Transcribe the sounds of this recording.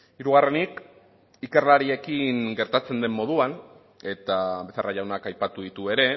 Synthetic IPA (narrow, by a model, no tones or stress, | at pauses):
iɾuɣ̞are̞nik | ike̞rlaɾie̞kiŋɡe̞ɾt̪at͡se̞nd̪e̞mːo̞ð̞uan | e̞t̪aβesea̰raʝawnakajpat̪uðit̪ue̞ɾe̞